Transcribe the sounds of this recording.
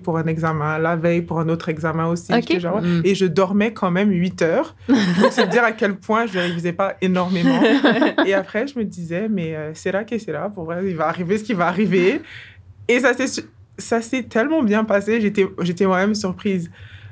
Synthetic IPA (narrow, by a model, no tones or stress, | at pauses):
puʁɛ̃nɛɡzamɛ̃lavɛjpuʁɛ̃not̪χɛɡzamɛ̃osieʒaɛeʒəd̪ɔʁmɛkʰɑ̃mɛmɥit̪œːʁ | puʁsəd̪iʁakʲɛlpwɛ̃ʒələʁivizɛpaenɔʁmeɑ̃eapχɛʒəməd̪izɛmɛøsɛlakesɛlapuʁvʁɛilvaːʁives̬ə̥kʲivaːʁiveː | sasɛs | sasɛt̪ʰɛlmɑ̃bjɛ̃paseʒet̪ɛʒet̪ɛmwamɛmsyʁpχiz